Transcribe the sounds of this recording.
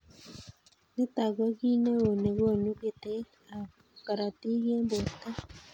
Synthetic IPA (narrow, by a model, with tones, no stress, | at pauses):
ne˦ta˨ɣwe˦ɣi˦ne˦o˨ne˨ɣo˦˨ɲu˦ɡe˨te˦ | a˨ | ka˨ɾa˨ti˦ɣe˦mbo˨ta˦